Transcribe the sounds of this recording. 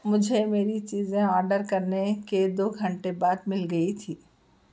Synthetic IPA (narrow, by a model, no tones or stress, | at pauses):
mʊd͡ʒʱemeːɾit͡ʃiːzẽɔːɾɖəɾkɐɾneked̪oːɡʱɐ̃ɳʈebaːd̪mɪlɡɐit̪ʰiː